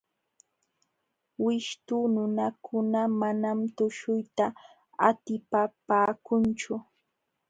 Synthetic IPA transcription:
wɪʃt̪unʊnakʰʊnamanamt̪ʊʃʊjt̪a | at̪ɪpapaːkʊnt͡ʃʊ

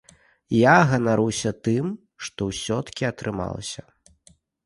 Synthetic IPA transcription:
jaɣɐnaɾuwsʲɐt̪ɨm | ʂt̪ɔwsʲɔt̪ɐ̥kʲiɐt̪ɾɨma̰lˠɐ̰sʲɐ

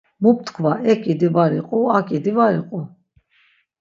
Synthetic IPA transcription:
mup̚t̪ʰkʰvaɛkʼid̪ivaɾiqʼuakʼid̪ivaɾḭqʼu

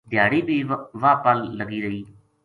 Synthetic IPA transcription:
d̪jaːɽiːbʱiːʋaːpəlːəɡiːɾəiː

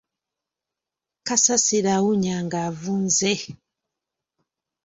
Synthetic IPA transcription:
kasasiɾawuɲaŋɡavunze

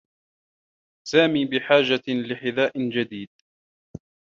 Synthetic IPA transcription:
saːmiːbɪħaːd͡ʒalɪħɪðaːʔɪd͡ʒad̪iːd̪̚

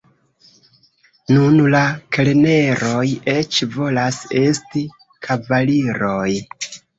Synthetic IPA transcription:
nunlakelene̞ɾo̞je̞t͡ʃvo̞lase̞sti | kʰavaliɾo̞j

